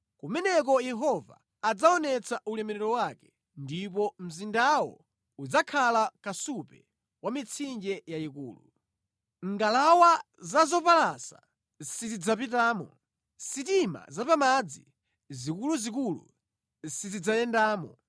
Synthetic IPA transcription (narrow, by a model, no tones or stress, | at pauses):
kumɛnɛk̬ɔjɛɦɔva̰ː | d͡zaɔnɛt͡sʰaʔulɛmɛɾɛɾɔwakɛ̥ | ndipɔm̩zindawɔ̰ | ud͡zakʰalakasupɛ̰ | wamit͡sʰind͡ʒɛjaikṵːlu | ŋɡalawa | zazɔpalasa | sizid͡zap̬it̬aːmɔ | sitima̰zapamad͡zi | zikuluzik̬ulṵ | sizid͡zajɛndaːmɔ